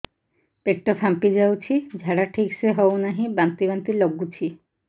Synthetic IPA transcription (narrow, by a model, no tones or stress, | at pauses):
pek̚ʈopʰampid͡ʑawt͡ɕʰid͡ʑʱaɽaʈʰikʃeɦɔonaɦĩbant̪ibant̪iloɡːut͡ɕʰi